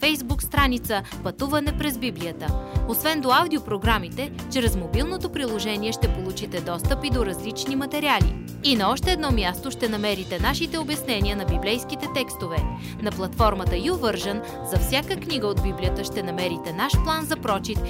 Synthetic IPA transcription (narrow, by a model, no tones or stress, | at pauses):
fɛjzbukst̪ɾanit̪sə | pɐt̪uvɐnɛpɾɛzbibliət̪əosvɛnd̪oawd̪iopɾoɡɾamit̪ɛ | t͡ʃɾɛzmobilˠnot̪opɾilˠoʒɛniɛʃt̪ɛpolˠut͡ʃit̪ɛd̪ɔst̪əpid̪oɾɐzlit͡ʃnimɐt̪ɛɾialḭ | inɐɔʃt̪ɛːd̪nɔmjast̪oʃt̪ɛnɐmɛɾit̪ɛnaʃit̪ɛobjɛsnɛniənɐbiblɛjskit̪ɛt̪ɛkst̪ovɛ | nɐplˠɐt̪fɔɾmət̪əiovɤɾʒən | zɐfsʲjakəkniɡəod̪̚biblijət̪əʃt̪ɛnɐmɛɾit̪ɛnaʃplˠanzɐpɾɔt͡ʃit̪